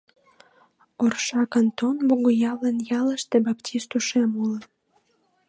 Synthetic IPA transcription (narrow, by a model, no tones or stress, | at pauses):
orʃɑkənt̪onboɣojɑlənjɑləʃt̪ebɑptʲʰist̪uʃemulən